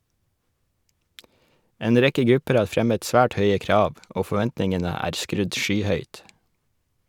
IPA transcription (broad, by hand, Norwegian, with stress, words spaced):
ˈeːn ˈɾɛkə ˈɡɾʉpəɾ ˈɑː ˈfɾɛmət ˈsʋæːʈ ˈhœʏə ˈkɾɑːʋ ˈoː fɔˈʋɛntnɪŋənə ˈæːɾ ˈskɾʉd ˈʃyːˌhœʏt